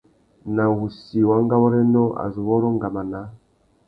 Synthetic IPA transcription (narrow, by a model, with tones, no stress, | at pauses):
na˨wu˨si˨wa˦ŋɡa˦wɔ˦ɾɛ˦nɔ˦ʔa̰˨zu˨βɔ˦ɾɔ˦ŋɡa˨ma˨na˨˦